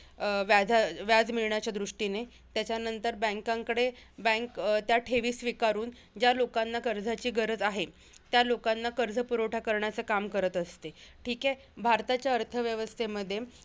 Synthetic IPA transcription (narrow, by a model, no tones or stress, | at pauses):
ʋjad͡zʱaʋjad͡zmiɭɳjat͡ɕjad̪ɾuʂʈine | t̪jat͡ɕjanənt̪əɾbə̃ŋkãŋkəɽebə̃ŋkt̪jaʈʰeʋiːsʋikaɾuːn | d͡ʑjalokanːakəɾd͡zʱat͡ɕiːɡəɾəd͡zaɦe | t̪jalokanːakəɾd͡zʱəpuɾoʈʰakəɾɳjat͡səkamkəɾət̪əst̪eʈʰiːke | bʱaɾt̪at͡ɕjaəɾt̪ʰəʋjəʋəst̪ʰeməd̪ʱːje